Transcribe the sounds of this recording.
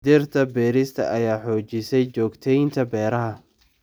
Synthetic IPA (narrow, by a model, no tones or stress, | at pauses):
d̪ɪrt̪ʰɐbɛːɾɪst̪ʰɐ̰ʔɐjaːħɔːt͡ʃɪsɛjt͡ʃɔːɡt̪ʰɛjnt̪ʰɐbɛːɾɐɦɐ